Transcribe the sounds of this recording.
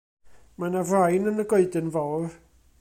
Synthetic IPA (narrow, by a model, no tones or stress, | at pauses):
manavrajnənəɡoɨdɪnvɔwr